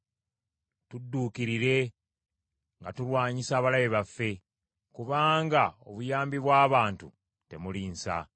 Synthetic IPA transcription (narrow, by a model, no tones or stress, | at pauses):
tudːuːkiɾiɾe̞ | ŋɡatulwaːɲisaːβalajeβafːe̞ | kuβaːŋɡao̞̰βujaːmbiβwaːβaːntṵ | te̞muliːnsa̰